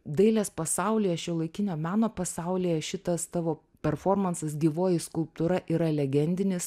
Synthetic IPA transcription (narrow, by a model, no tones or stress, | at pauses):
d̪ɐɪlʲeːspɐsɐˑʊlʲɪːjɛʃʲɪlˠɐɪkʲɪnʲoːmɑːnoːpɐsɐˑʊlʲiːjɛʃʲɪt̪ɐst̪ɑːʋoː | pʲɛɾfoːɾmɐnsɐsɡʲiːʋoːjɪskʊlˠp̚t̪ʊɾɐʔiːɾɐɛlʲɛɡʲɛnʲd̪ʲɪnʲɪs